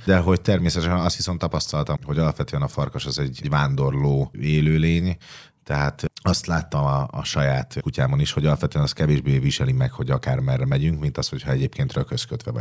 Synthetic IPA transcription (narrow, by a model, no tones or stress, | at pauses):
d̪ɛɦo̞ct̪ɛrmeːsɛt̪ɛʃɛnɒst̪hiso̞nt̪ːɒpɒst̪ɒlt̪ɒɦo̞ɟɒlɒpʋɛt̪øːɛnɒfɒrkoʃɛzɛɟɟʋaːnd̪o̞rloːeːløːleːɲ | t̪ɛɦaːt̪ɒst̪laːt̪ːɒmɒɒ̰ʃɒjaːt̪kucaːbɒniʃho̞ɟɒlɒpvɛt̪øːɛnɒst̪̚kɛveːʒbeːviʃɛlimɛkho̞ɟɒkaːrmɛrɛmɛɟyŋkmint̪ɒst̪ho̞chɒɛɟeːpkeːnt̪røkøskøt̪ʋɛvɒ̰